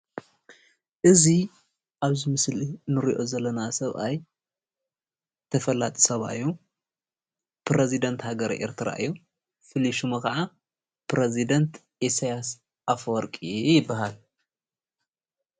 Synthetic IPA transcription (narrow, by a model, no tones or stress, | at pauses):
ʔɨzi | ʔaβzimɨslinɨɾiʔo̞zɐlːɐnasɐβʔaj | t̪ʰɐfɐlat̪ʼi̥sɐβa̰ɨjːu | pɾezid̪ɐnt̪haɡɐɾʔḛɾt̪ʰɨɾa̰ʔɨjːu | fɨliʃumɨkɐʕa | pɾezid̪ɐnt̪ | ʔesajas | ʔafɔɾkʼijɪbːaɦal